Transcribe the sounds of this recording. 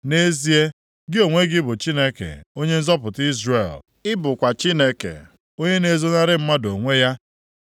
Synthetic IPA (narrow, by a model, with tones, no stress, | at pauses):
ne˦zi˦e˦ | ɡɪ˦o˨ŋʷe˦ɡɪ˦bʊ˨t͡ʃi˦ne˦kḛ˨o˦ɲe˦n̩˦zɔ˦pʊ˨ti˦zre˨l | ɪ˦bʊ˨kʷa˨t͡ʃi˦ne˦kḛ˨ | o˦ɲe˦ne˨zo˦na˦ɾɪ˦m̩˦ma˦do˨ŋʷe˦ja˦